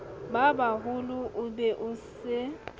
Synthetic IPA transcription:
babaɦʊlʊʔʊbɛʔʊsɪ

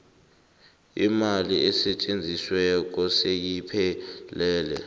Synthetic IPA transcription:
imaliɛsɛt͡ʃʼend͡zʱiswɛk̬ɔsejipʰɛlɛːlɛ̰

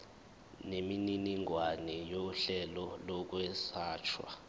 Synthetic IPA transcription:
nemininiŋwanɛjoɬɛlɔlɔk̬wɛsaːt͡ʃʰwa̰

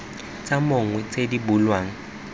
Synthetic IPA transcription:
t͡sʼamʊŋwɛt͡sʼedibulwaːŋ̩

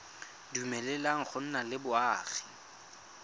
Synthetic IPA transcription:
dumɛlɛlaŋ̩χʊn̩nalɪbʊaːχi̥

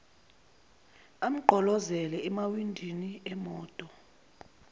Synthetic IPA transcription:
am̩ɡ͡ǃʱɔlɔzɛlɛɛmawindʱiniɛmɔːtʼɔ

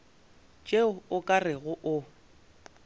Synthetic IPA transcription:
t͡ʃʼeʊʊkʼarɪɣʊʔʊ

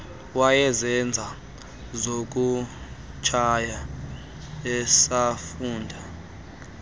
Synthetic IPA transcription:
wajɛzɛnd͡zʱa | zok̬ʼu | t͡ʃʰaja | ɛsafuːndʱa

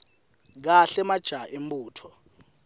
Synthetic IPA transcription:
k̬aɬɛmad̥ʒ̥ʱaʔem̩bʼuːtʰɔ

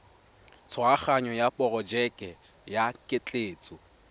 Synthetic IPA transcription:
t͡sʰɔaχaɲɔjapʼɔrɔd͡ʒɛkʼɛ | jakʼɪt͡ɬʼeːt͡sʼʊ

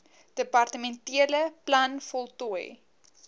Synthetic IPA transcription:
d̥əpɐrtəmɛntiələplɐnfɔlˠtuəj

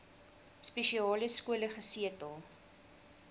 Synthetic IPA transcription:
speʃiɑːləskuələχəsiətəlˠ

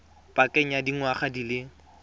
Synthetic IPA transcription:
pʼakʼɛŋ̩jadiŋwaχadilɪ

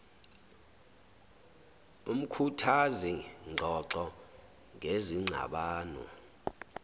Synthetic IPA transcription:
um̩kʰutʰaziŋ͡ǃʱɔǀɔ | ŋeziŋ͡ǀʱa̰ɓaːnɔ̰

